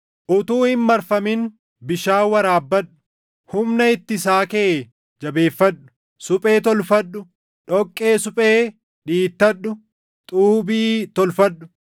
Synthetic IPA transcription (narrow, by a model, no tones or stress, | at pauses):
ʔʊt̪uːhɪmːɐɾfɐmɪn | bɪʃaːwɐɾaːbːɐᶑʊ̥ | hʊmnɐɪt̪ːɪsaːkeʔe | d͡ʒɐbe̞ːfːɐᶑːʊ̥ | sʊpʼe̞ːt̪ɔlfɐᶑːʊ | ᶑɔkʼːe̞ːsʊpʼeː | ᶑiːt̪ːɐɗːʊ | t̪ʼuːbiːt̪ɔlfɐɗʊ̥